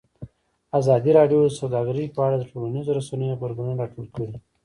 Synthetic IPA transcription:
azɑd̪iɾɑɖijod̪əsawd̪ɑɡəɾipəaɽad̪əʈolanizoɾasanəjobaɾɡunaɾɑʈolkəɽi

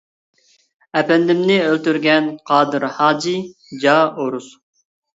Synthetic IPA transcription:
ɛpɛnd̪ɪmnɪølt̪yɾɡʲɛnqʰɑːd̪ɨɾhɑːd͡ʒi | d͡ʒɑːoɾus

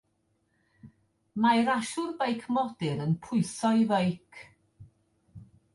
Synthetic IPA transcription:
majɾaʃʊrbejkʰmɔd̥ɪɾənpʰʊɨsɔvejkʰ

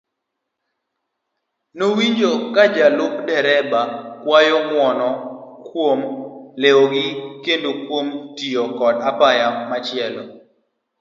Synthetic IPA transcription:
nowiɲd͡ʒokad͡ʒalʊk̚dɛɾɛbakwajɔŋwɔnɔkwomlewoɡɪkendokwomtijokɔdapajamat͡ʃɪɛlo

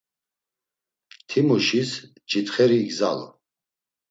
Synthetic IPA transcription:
t̪ʰimuʃis | t͡ʃʼit̪χɛɾiːɡza̰lɔ̰

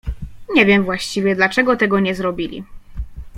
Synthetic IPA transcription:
ɲɛvʲjɛmvwaɕt͡ɕivʲjɛd̪lat͡ʂɛɡɔt̪ɛɡɔɲɛzɾɔbʲilʲḭ

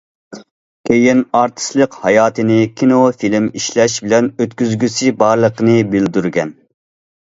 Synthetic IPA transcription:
kʲʰejinɑɾt̪ʰɨ̥slˠəqhɑjɑːt̪ʰɨnɪkʲʰinofilɪmiʃlɛʃbɪlɛnøt̪kʲyzɡʲysibɑɾlˠəqənɨbɪld̪yɾɡʲɛ̰n

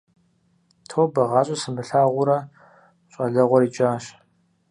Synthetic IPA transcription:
tʰoːbɐʁɑːɕʼɐsɨmbɨɬaːʁʷʊɾɐ | ɕʼɐɮɐʁʷɔɾiːt͡ʃʼaːɕ

